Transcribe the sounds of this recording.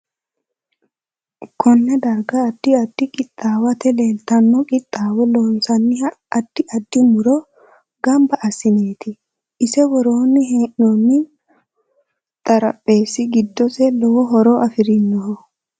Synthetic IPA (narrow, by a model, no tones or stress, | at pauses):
kʰɔnːɛd̪ɐɾɡɐːd̪ːɪɐd̪ːɪkʼɪt̪ʼːaːwɐt̪ɛlelt̪ːɐnːɔkʼɪt̪ʼːaːwɔloːnsɐnːɪɐd̪̥ːɪʔɐd̪ːɪmʊɾɔ | ɡɐmbɐʔɐsɪneːt̪ʰɪ | ʔɪsɛwɔɾoːnːɪɦeːʔnɔnːɪ | t̪ʼɐɾɐ̰pʼːe̞ːsːɪɡɪd̪ːɔsɛlɔwɔɦɔɾoʔɐfɪɾɪnːɔɦɔ